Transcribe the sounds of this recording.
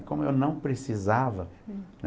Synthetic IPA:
kõmʊewnɐ̃w̃pɾesizavɐn

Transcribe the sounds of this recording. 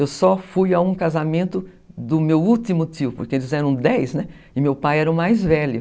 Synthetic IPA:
ewsɔfujawũkazamẽnt̪ʊ | d̪ʊmewuwt̪imʊt̪iʊpʊ̰ɾkeelɪzɛɾɐ̃w̃d̪ɛjznɛ | ɪmewpajɛɾɐʊ̃majzvɛlʊs

